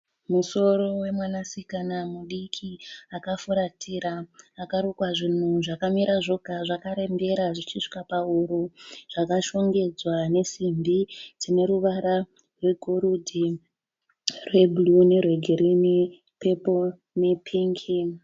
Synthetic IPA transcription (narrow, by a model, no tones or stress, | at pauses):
muso̞ɾo̞we̞mwanasikanamuɗikʰiakafuɾatʰiɾaːkaɾukwaʐin̤uʐakamiɾaʐo̞ɡʱaʐakaɾembe̞ɾaʐit͡ʃiʂi̥kapauɾuʐ̥akaʃo̞ŋɡe̞d͡zwane̞simbid͡zine̞ɾuʋaɾa | rwe̞ɡʱoɾudʱi | rwe̞bulune̞rweɡʱeɾine | pe̞po | ne̞pʰiːŋkʰi